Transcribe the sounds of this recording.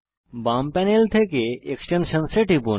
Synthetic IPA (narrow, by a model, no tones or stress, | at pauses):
bampɛnelt̪ʰekeeksʈenʃənseʈipu